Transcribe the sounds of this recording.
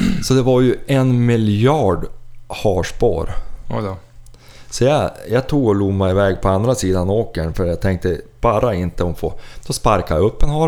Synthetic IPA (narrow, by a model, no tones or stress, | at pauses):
sɔd̪ɛvaɾjɵɛnmɪljɑːɖhɑːʂpo̰ːɾ | sɔjɑjɑːt̪ʰuːɡɔluːɡmɛɪvɛːɡpʰɔand̪ɾasiːd̪anoːkəɳfœɾtjat̪ʰɛŋk̚t̪əb̥ɑːɾʔaɪnt̪əɔmfoːd̪̥ɔspaɾkaɾjaɵpːɛnɦɑː